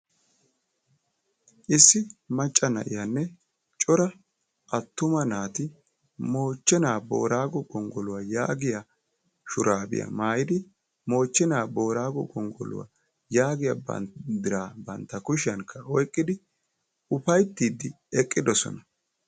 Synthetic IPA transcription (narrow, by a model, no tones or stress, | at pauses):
ʔɪsːɪmɐt͡ʃʼːɐnɐ̰ʔɪjanːɛ | t͡ʃʼɔɾɐ | ʔɐt̪ːʊmɐnaːt̪ɪ | mo̞ːt͡ʃːɛnaːbo̞̰ːɾaːɡɔɡɔŋɡɔlʊwaːjaːɡɪja | ʃʊɾaːbɪ̰jɐ̰maːjɪd̪ɪ | mo̞ːt͡ʃːɛnaːbo̞ːɾaːɡɔ̰ɡɔŋɡɔ̰lʊ̰wa̰ | jaːɡɪjabɐ̰d̪ɪɾaːbɐnt̪ːɐkʊʃɪɐŋkʰːɐɔjkʼːɪd̪ɪ | ʊpɐjt̪ːiːd̪ːɪ | ɛkʼːɪd̪ɔsɔ̰nɐ